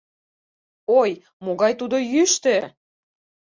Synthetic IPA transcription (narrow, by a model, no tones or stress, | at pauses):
oj | moɣɑjt̪ud̪ojyʃt̪e